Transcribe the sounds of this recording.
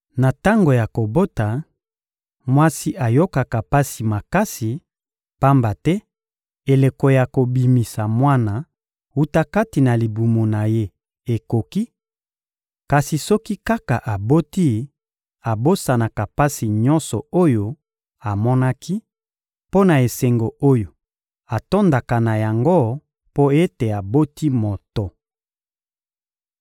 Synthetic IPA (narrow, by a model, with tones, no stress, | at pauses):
na˨ta˦ŋɡo˨ja˨ko˨bo˦ta˨ | mwa˦si˦ʔa˨jo˦ka˨ka˨pa˦si˨ma˨ka˦si˨ | pa˦mba˨tɛ˦ | e˨le˨ko˨ja˨ko˨bi˨mi˨sa˨mwa˦na˨ | wu˦ta˦ka˦ti˨na˨li˨bu˨mo˨na˨je˦ | e˨ko˨ki˦ | ka˨si˨sɔ˦ki˦ka˦ka˨ʔa˨bo˦ti˦ | a˨bo˦sa˨na˨ka˨pa˦si˨ɲɔ˦nsɔ˨o˦jo˦ | a˨mɔ˦na˦kʰi˦ | po˦na˨e˨se˨ŋɡo˨o˦jo˨ | a˨to˦nda˨ka˨na˨ja˨ŋɡo˦ | po˦e˦te˨a˨bo˦ti˦mo˨tɔ˨